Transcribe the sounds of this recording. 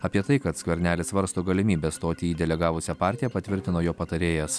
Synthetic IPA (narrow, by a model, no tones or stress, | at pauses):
ɐpʲiɛt̪ɐɪkɐt̪skʋʲɛɾʲnʲæːlʲɪsʋɐɾst̪oːɡɐlʲɪmʲiːbʲɛst̪oːt̪ʲiːiːd̪ʲɛlʲɛɡɑːʋʊsʲɛpɑːˑɾʲt̪ʲɪjɛpɐt̪ʲʋʲɪɾʲt̪ʲɪnoːjoːpɐt̪ɐɾʲeːjɛs